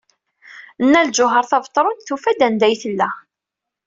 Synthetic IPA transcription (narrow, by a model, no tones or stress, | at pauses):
ənːæld͡ʒʊɦəɾˤθɑvt̪ˤːɾˤʊnt̪θufæd̪ænd̪æjθəlːæ